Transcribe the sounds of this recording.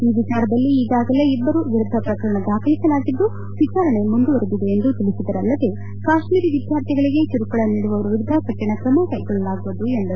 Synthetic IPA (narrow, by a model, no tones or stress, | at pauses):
iːʋit͡ʃaːɾɐd̪ɐlːiːɡaːɡɐle̞ibːɐɾuʋiɾud̪ʱːɐpɾɐkɐɾɐɳɐd̪aːkʰɐlisɐlaːɡid̪ːu | ʋit͡ʃaːɾɐɳe̞mund̪uʋɐɾud̪id̪e̞ːnd̪ut̪ilisid̪ɐɾɐlːɐd̪e̞ | kaːʃmiːɾiʋid̪ʱjaːɾt̪ʰiɡɐɭiɡe̞t͡ʃuɾukɐɭɐniːɽuʋɐʋɐɾuʋiɾud̪ʱɐkɐʈːɐɳɐkɾɐmɐkɐjkɔɭːɐlaːɡuʋud̪ue̞nd̪ɐɾu